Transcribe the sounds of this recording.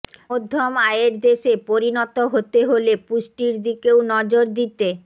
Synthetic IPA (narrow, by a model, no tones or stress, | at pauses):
od̪ʱːomaeɾd̪eʃepoɾinɔt̪oɦot̪eɦolepuʃʈiɾd̪ikewnɔd͡ʑoɾd̪it̪e